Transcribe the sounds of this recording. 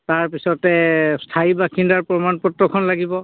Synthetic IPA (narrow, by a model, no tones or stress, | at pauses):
taɹpisɔtɛstʰaibakʰindaɹpɹɔmanpɔtɹɔkʰɔnlaɡibɔ